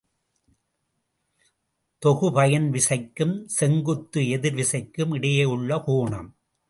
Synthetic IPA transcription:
t̪ɔɣɯpɐjɐnʋɪsɐɪkːɯmsɛŋɡɯt̪ːɯɛðɪɾʋɪsɐɪkːɯmɪɽɐjeːɯɭːɐhoːɳɐ̰m

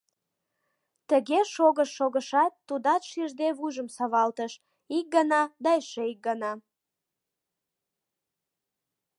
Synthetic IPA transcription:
t̪əɣeʃoɣəʃːoɣəʃɑt̪ːud̪ɑt̪ʃiʒd̪eβujʒəmsɑβɑlt̪əʃ | ik̚ɡənɑd̪ɑeʃeik̚ɡənɑ

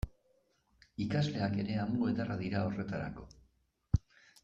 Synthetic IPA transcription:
ikazle̞ake̞ɾe̞amuluet̪araðiɾao̞re̞t̪aɾa̰ko̞

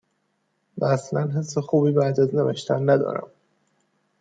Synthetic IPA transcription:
væːslænɦe̞sːe̞xuːbiːbæːd̪æznevæʃt̪ʰænːæd̪ɒ̰ːɾæ̰m

